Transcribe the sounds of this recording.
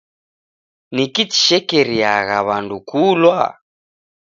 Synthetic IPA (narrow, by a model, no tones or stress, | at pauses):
nikit͡ʃi̥ʃɛkɛɾiaɣa̰βandukʰulwa